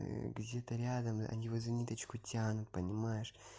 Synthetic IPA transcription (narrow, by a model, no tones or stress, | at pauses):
ɡdʲe̞t̪əɾʲad̪əmɐ̰nʲivozɨnʲit̪ət͡ɕkʊtʲanʊt̪̚pənʲɪmajɪʂ